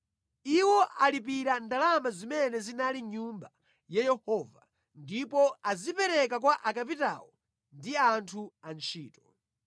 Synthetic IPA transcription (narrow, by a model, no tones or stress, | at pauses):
iwɔʔalipiɾandalamazimɛnɛzinaliɲumba | jajɛhɔːva | ndipɔazipɛɾɛk̬akwaʔakap̬ita̰wɔ | ndiantʰuant͡ʃʰiːtɔ